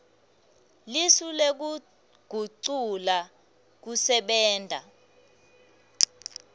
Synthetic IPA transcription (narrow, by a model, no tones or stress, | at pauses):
lisulek̬u | ɡ̥ʱuǀula | k̬usɛɓɛːntʼa̰